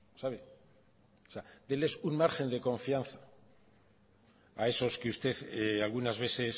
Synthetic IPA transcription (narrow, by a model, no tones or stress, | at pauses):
saβe | sead̪ele̞sunmaɾxe̞nd̪e̞kõ̞ɱfianθa | ae̞so̞skeust̪e̞θealɣunazβ̞e̞θe̞s